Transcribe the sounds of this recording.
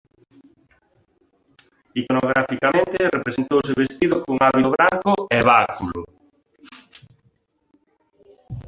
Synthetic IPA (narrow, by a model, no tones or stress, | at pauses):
ikonoɣ̞ɾafikamẽnt̪ɪrepɾesent̪owseβest̪iðʊkoŋaβioβɾaŋkʊɛβakulo̰